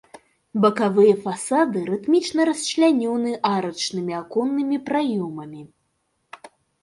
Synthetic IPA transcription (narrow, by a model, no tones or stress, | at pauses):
bɐkavɨjɐfasad̪ɨɾɨt̪mʲit͡ʂnɐɾɐst͡ʃlʲanʲɔwnɨʔaɾɐt͡ʂnɨmʲiakɔnːɨmʲipɾajɔmɐmʲi